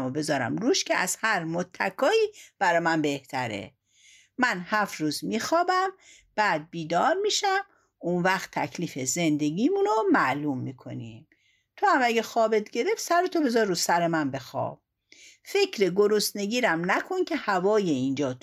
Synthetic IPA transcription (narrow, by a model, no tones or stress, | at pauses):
mobe̞zɒːɾæ̰mɾuʃcʰeæz̥hæɾmot̪ʰːækʰɒːiːb̥æɾɒmænbe̞ht̪ʰæɾḛ | mænhæfɾuːzmiːxɒːbæm | b̥æːd̪̚biːd̪ɒːɾmiːʃæm | unvæxt̪ʰːækʰliːfeze̞nd̪e̞ɡiːmunomæʔluːmːiːkʰo̞̰nḭːm | t̪ʰohæmæɡexɒːbet̪ɡe̞ɾe̞ft̪sæɾot̪ʰobe̞zɒɾɾusæɾemænbe̞xɒ̰ːb̥̚ | fe̞cʰɾeɡoɾost̪ne̞ɡiːɾæmnækʰoncʲʰe̞hævɒːjeind͡ʒɒːt̪